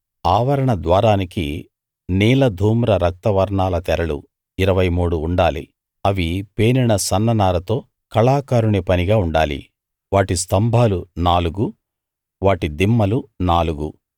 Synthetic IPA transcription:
aːʋɐɾɐɳɐd̪ʋaːɾaːniki | niːlɐd̪ʱuːmɾɐɾɐk̚t̪ɐʋɐɾɳaːlɐt̪ɛɾɐlṵ | iɾɐʋɐjmuːɽuːɳɖaːlḭ | ɐʋipeːniɳɐsɐnːɐnaːɾɐt̪o̞ː | kɐɭaːkaːɾuɳipɐniɡaːuɳɖaːlḭ | ʋaːʈist̪ɐmbʱaːlunaːluɡu | ʋaːʈid̪imːɐlunaːluɡṵ

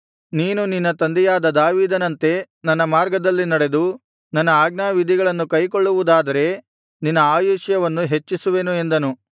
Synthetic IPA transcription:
niːnuninːɐt̪ɐnd̪ɛjaːd̪ɐd̪aːʋiːd̪ɐnɐnt̪e̞ | nɐnːɐmaːɾɡɐd̪ɐlːinɐɽe̞d̪u | nɐnːɐaːɡnaːʋid̪ʱiɡɐɭɐnːukɐjko̞ɭːuʋud̪aːd̪ɐɾe̞ | ninːɐaːjuːʂjɐʋɐnːuɦe̞t͡ʃːisuʋe̞nue̞nd̪ɐnu

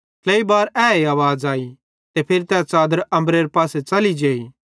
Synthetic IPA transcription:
kʰleibaːɾɛːeaːʋaːd͡zaːi | t̪epʰɪɾt̪ɛːt͡ʃaːd̪əɾɐ̃mbɾeːɾpaːset͡ʃɐlid͡ʒeːi

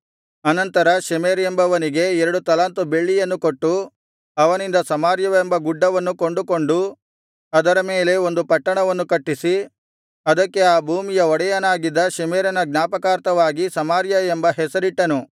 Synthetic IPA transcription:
ɐnɐnt̪ɐɾɐʃɐmeːɾembɐʋɐniɡe̞ɛɾɐɽut̪ɐlaːnt̪ube̞ɭːijɐnːuko̞ʈːu | ɐʋɐnind̪ɐsɐmaːɾjɐʋembɐɡuɖːɐʋɐnːuko̞ɳɖukoɳɖu | ɐd̪ɐɾɐme̞ːle̞o̞nd̪upɐʈːɐɳɐʋɐnːukɐʈːisi | ɐd̪ɐkːe̞aːbʱuːmijɐɔɽɐjɐnaːɡid̪ːɐʃɛmeːɾɐnɐɡnaːpɐkaːɾt̪ɐʋaːɡisɐmaːɾjɐembɐɦɛsɐɾiʈːɐnu

